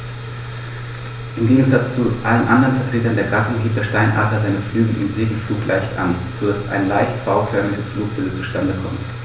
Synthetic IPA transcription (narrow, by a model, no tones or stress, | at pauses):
ʔɪmɡeːɡŋ̩zat͡st͡suʔalənʔandəʁənfɛɐtʁ̥eːtɐndeːɐɡatʊŋɡiːp̚d̥eːɐʃtaɪnʔa̰tɐzaɪnəflyːɡl̩ʔɪ̰nzeːɡl̩fluːklʔa̰ɪçtʔa̰n | t͡sodasʔa̰ɪnlaɪçtfaʊfʰœɐmɪɡəsfluːk̚b̥ɪlt͡suʃtandəkʰɔ̰mt